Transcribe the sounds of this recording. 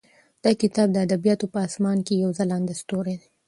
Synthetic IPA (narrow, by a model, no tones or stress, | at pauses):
d̪̥ɑkɪt̪ɑb̚d̪əad̪abijɑt̪opəɑsmɑnkejawzalɑnd̪est̪oɾed̪e